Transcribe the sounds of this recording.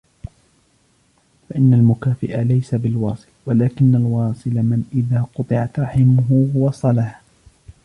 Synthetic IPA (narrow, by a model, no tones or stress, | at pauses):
faʔɪnːalmʊkaːfɪʔalajsabɪlwɑːsˤɨlwalaːkɪnːalwɑːsˤɨlamɪnʔɪðaːqʊt̪ˤɨʕat̪ɾˤɑħɪmʊɦʊwɑsˤɑlah